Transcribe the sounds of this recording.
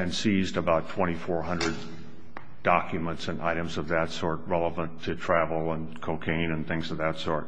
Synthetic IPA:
ɨ̃nsizdəbaʊtʰw̥ɛ̃ɾ̃ifɔɹɦʌ̃ndɹɨd̥̚ | ɑkjɨmə̃ntsɨ̃nʔa̰ɪɾɨ̃mzʌvðɨtsɔɹt̚ɹɛlˠəvə̃ntʰɨtʰɹ̥ævl̩ˠə̃nkʰoʊkʰẽɪ̃nɨ̃nθɪ̃ŋzʌvðɨtsɔɹt̚

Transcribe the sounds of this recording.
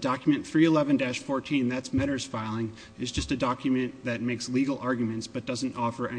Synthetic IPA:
d̥ɑkjmɨ̃nθɹiɨlɛvɨ̃ndæʃfɔɹtʰĩnðætsmɛɾə˞z̥faɪlˠɪ̃ŋ | ɨzd͡ʒʌstɨdɑkʰjɨmɨ̃nðɨt̚meɪksliɡl̩ˠɑɹɡjɨmɨ̃ntsb̥ʌt̚d̥ʌzn̩tɔfə˞ʔɛ

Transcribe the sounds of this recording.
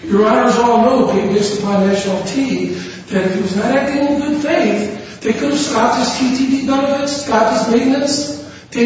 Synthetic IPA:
jə˞ɔɾə˞zɔlˠnoʊbẽɪ̃d͡ʒɪstəpʰɑ̃nːæʃnl̩ˠtʰi | ðɨɾɨfɨwʌznɨɾæk̚dĩl̩ˠɡʊd̥feɪθ | ðeɪkʰʊɾəv̥skɑp̚ðɪstʰitʰidibɛnəvɨtskɑp̪̚ðɪsmẽɪdⁿnɨs | ðeɪ

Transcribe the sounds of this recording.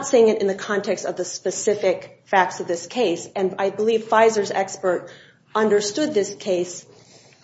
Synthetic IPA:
tsiɪɪ̃ŋɨɾɨ̃nðɨkʰɑ̃ntʰɛkstʌvðɨspɨsɪfɪk | fæk̚tsʌvðɪskʰeɪsɨ̃naɪbəliv̥faɪzə˞zɛ̰kspə˞ɾ | ʌ̃ndə˞stʊd̪̚ðɪskʰeɪs

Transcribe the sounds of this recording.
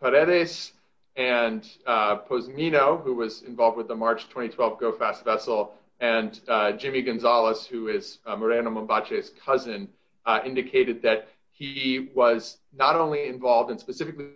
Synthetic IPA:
pʰəɾɛɾɪs | ɨ̃npʰoʊzminoʊhuwʌzɪ̃ɱvɑlˠvd̚wəðəmɑɹt͡ʃtʰw̥ɛ̃ɾ̃itʰw̥ɛlˠvɡoʊfæstv̥ɛsl̩ˠ | ɨ̃nd͡ʒɪ̃miɡɨ̃nzɑlˠəshʉɪzmə˞æ̃ñomə̃mbɑt͡ʃez̥kʰʌzɨ̃n | ɪ̃ndɨkʰeɪɾɨd̪̚ðɨt̚ | hiwʌz | nəɾõʊ̃nliɨ̃ɱvɑlˠvdɨ̃nspɨsɪfɨkli

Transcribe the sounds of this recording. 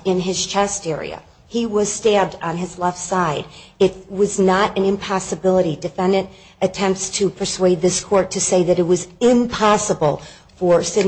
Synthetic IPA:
ɪ̃nɪz̥t͡ʃʰɛstɛɹḭɨ̰ | iwʌz̥stæb̚d̃n̩ɨzlɛftsaɪɾɪt̚wʌznəɾɨ̃nɨ̃mpʰɑsɨbɪlˠəɾidɨfɛ̃ndɨ̃n | ɨtʰɛ̃mp̚tstʰɨpʰə˞sweɪd̪̚ðɪskʰɔɹtʰɨseɪðɨɾɨt̚wʌzɪ̃mpʰɑsəbl̩ˠ | fə˞sɪdⁿ

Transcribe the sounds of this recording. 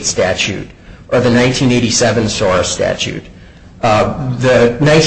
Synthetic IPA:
tstæt͡ʃʉ̰ɾ | ʔə˞ðɨnãɪ̃ntʰĩneɪɾisɛvɨ̃nsɔɹstæ̰t͡ʃʉ̰t | ðɨnãɪ̃

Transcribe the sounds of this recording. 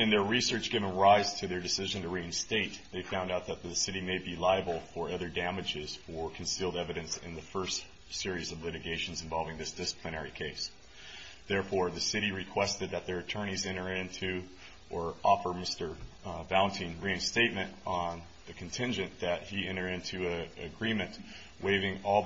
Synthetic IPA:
ɨ̃nðə˞ɹisɜ˞t͡ʃɡ̥ɪvə̃nɹaɪz̥tʰɨðə˞dɨsɪʒɨ̃ntʰɨɹĩnsteɪt̪̚ðeɪfãʊ̃ndaʊt̪̚ðət̪̚ðɨsɪɾimeɪbilaɪɨbl̩ˠfə˞ʌðə˞dæmɨd͡ʒɪz̥ə˞kʰn̩silˠdɛvɨɾɨ̃nsɪ̰̃nðɨfɜ˞st | sɪɹizʌvlɪɾɨɡeɪʃn̩zɨ̃ɱvɑlˠvɪ̃ŋðɪsd̥ɪsə̥pʰlɨnɛɹikʰeɪs | ðɛɹfɔɹðɨsɪɾiɹɨkʰw̥ɛstɨd̪̚ðɨt̪̚ðə˞ɨtʰɜ̃˞ɾ̃izɛ̃ɾ̃ə˞ɪ̃ntʰʉ | ʔə˞ʔɔfə˞mɪstə˞vãʊ̃ntʰĩnɹĩɨ̃ŋsteɪt̚mɨ̃ntn̩ | ðɨkʰn̩tʰɪ̃nd͡ʒɨ̃nðɨt̚hiɛ̃ɾ̃ə˞ɾɪ̃ntʰʉɨɨɡɹĩmɨ̃nʔ | weɪvɪ̃ŋɔ

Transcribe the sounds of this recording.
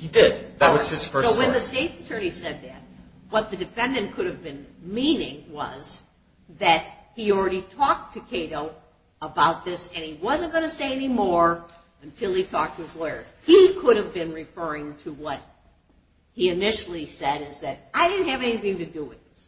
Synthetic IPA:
hidɪd̪̚ðɨt̚wʌzd͡ʒʌsfəsoʊwɨ̃nðɨsteɪtsɨ̥tʰɜ̃˞nisɛd̪̚ðɨ̰t̚ | wʌt̪̚ðɨdɨfɛ̃ndɨ̃nkʰʊɾɨvbɨ̃nmĩnɪ̃ŋwʌ̰z | ðɨt̚hil̩ˠɹɛɾitʰɔk̚tʰɨkʰeɪɾoʊ | əbaʊt̪̚ðɪsɨ̃niwʌzɨ̃nɡ̥ʌñɨseɪɛnimɔɹ | ɨ̃ntʰɪlˠitʰɔk̚tʰɨɨ̃mpʰl̥ɔɪə˞ikʰʊɾɨvbɨ̃nɹɨfɜ˞ɪ̃ŋtʰəwʌt̚ | hiɨnɪʃl̩ˠisɛɾɪzðɨɾaɪɾɪdⁿn̩t̚ɨvɛniθɪ̃ŋtɨdəwɪðɪs

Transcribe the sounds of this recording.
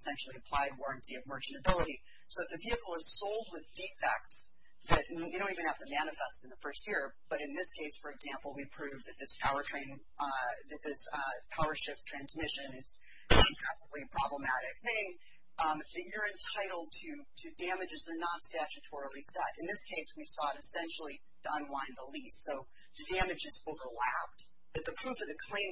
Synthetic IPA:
sɛ̃nʃl̩ˠiɨpʰl̥aɪd̚wɔɹɨ̃ntʰiʌvmɜ˞t͡ʃɨ̃nɨbɪlˠəɾi | soʊðɨt̪̚ðɨviɨkl̩ˠəz̥soʊlˠd̚wɨðdifɛ̰k̚ts | ðɨtjɨdõʊ̃ntivɨ̃nɨvðɨmænɨfɛstn̩ðəfɜ˞st̚jɪɹb̥ʌɾɨ̃nðɪskʰeɪsfə˞ɨɡzæ̃mpl̩ˠwipʰɹ̥ʉvðɨt̪̚ðɪspʰaʊə˞tʰɹ̥ẽɪ̃n | ðɨt̪̚ðɪspʰaʊə˞ʃɪp̚tʰɹ̥æ̃nzmɪʃɨ̃nɨz̥ | pʰæsəvliɨpʰɹ̥ɑbləmæɾɪk̚θɪ̃ŋ | ðɨt͡ʃə˞ɨ̃ntʰaɪɾl̩ˠd̚tʰɨ | ɾɨdæ̃mɨd͡ʒɨzðə˞nətstæt͡ʃɨtʰɔɹl̩ˠisɛɾɨ̃nðɪskʰeɪswisɔɾɨsɛ̃nʃl̩ˠi | ɾəə̃nwãɪ̃nðəlistsoʊ | ðɨdæmɨd͡ʒɨzoʊvə˞læp̚t | b̥ʌt̪̚ðɨpʰɹ̥ufʌðɨkʰl̥ẽɪ̃

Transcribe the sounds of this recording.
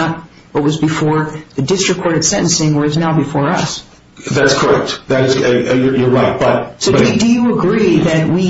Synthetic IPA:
ət̚ | b̥ʌt̚wʌzbɨfɔɹðɨdɪstɹ̥ɨkʰɔɹɾɨd̥sɛ̃ɾ̃n̩sɪ̃ŋwə˞ɨznaʊbɨfɔɹʌ̰s | ðætskʰə˞ɛk̚tðɨɾɨzjə˞jə˞ɹaɪt̚b̥ʌt̚soʊʌdɨjɨəɡɹiðɨt̚wi

